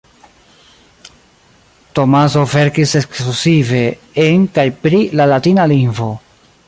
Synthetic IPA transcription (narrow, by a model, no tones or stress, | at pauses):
to̞mas̬o̞ve̞ɾkise̞klusive̞ | eŋkajpɾilalatinalinvo̞